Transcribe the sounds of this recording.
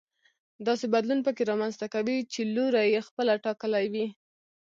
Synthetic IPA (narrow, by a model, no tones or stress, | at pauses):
d̪ɑsebad̪lunpəkeɾɑmanzt̪akawit͡ʃeloɾajexpəlaʈɑkəlawi